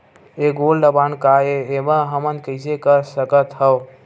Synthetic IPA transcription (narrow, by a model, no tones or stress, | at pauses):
eɡolɖəbankaeeməɦəmənkəɪsekəsəkət̪həw